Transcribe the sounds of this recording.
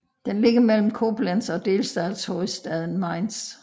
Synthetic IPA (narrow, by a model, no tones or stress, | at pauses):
d̥enle̝ɡ̥ɐmel̰m̩kʰo̝b̥lænsɒ̽d̥e̝ːlsd̥ɛðshoisd̥ɛðˠən̩mɑ̈ɪns